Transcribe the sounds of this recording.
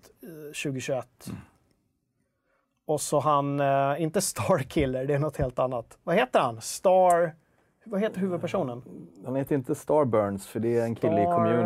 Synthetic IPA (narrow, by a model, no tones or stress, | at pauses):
ɕʉ̟ːɡəɕɵɛt̪ː | ɔsɔɦanɪnt̪əst̪ʰɑːɾkʰɪlːəɖɛːɳɔt̪heːlt̪anːat̪vaheːt̪əɾhanst̪ɑːɾ | hvaɦeːt̪əɾɦʉ̟ːvɵd̪̚pʰæʂuːnənhanheːt̪əɾɪnt̪əst̪ɑːɾbœɳsfœɖɛæɾɛnkʰɪlːəɪkʰɔmmʉː